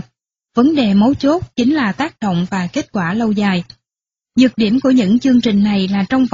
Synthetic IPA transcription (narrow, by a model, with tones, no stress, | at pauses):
və˨˦nɗe˨˩mə˨˦jt͡ɕo˦˥t̚t͡ɕï˨˦ŋ̟laː˨˩t̪aː˦˥k̚ɗo̰˧˨wŋ͡mvaː˨˩ke˦˥t̚kwaː˧˩lə˧wzaː˨˩j | zɨ˨˩k̚ɗi˧˩əmku˧˩əɲɨ̰˧˥ŋt͡ɕɨ˧əŋt͡ɕï˨˩ŋ̟na˨˩jlaː˨˩t͡ɕɔ˧wŋ͡mf